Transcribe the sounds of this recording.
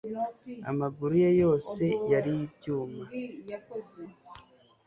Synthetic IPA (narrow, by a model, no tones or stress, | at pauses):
a̰maɡuɾujejo̞ːse̞jaɾijibɟuːma